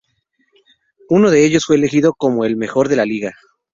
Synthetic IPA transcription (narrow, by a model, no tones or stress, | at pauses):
uno̞ðe̞e̞ʝosfwe̞ːlexiðo̞ko̞mo̞e̞lme̞xo̞ɾðe̞laliɣa